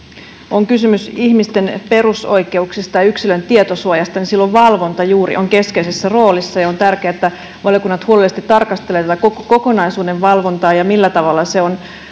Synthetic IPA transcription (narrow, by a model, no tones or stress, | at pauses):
ʔoŋkysymysiçmist̪e̞npe̞ruso̞jke̞uksist̪ɑjɑyksilønt̪iet̪osuojɑst̪ɑninsilːoʋʋɑlʋo̞nt̪ɑjuːɾḭʔo̞ŋke̞ske̞isesːæro̞ːlisːɑjɑont̪ærkeæːet̪ːæ | ʋɑljokunːɑt̪huolelːest̪it̪ːɑrkɑst̪elet̪æt̪ækokko̞ko̞nɑjsuːdeʋʋɑlʋo̞nt̪ɑːjɑmilːæt̪ɑʋɑlːɑse̞on